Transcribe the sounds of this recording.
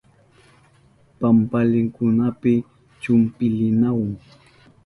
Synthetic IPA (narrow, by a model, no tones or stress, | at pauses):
pampalɪŋkʊnapɪ | t͡ʃʊmpɪlɪnawaŋ